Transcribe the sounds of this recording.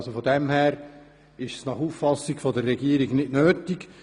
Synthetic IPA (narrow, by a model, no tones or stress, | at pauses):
sofɔdɛmɦæːɾ | ɪʃsnɑχuːffɑsikfɔdərːɛɡiəɾiɡnɪtnøːtik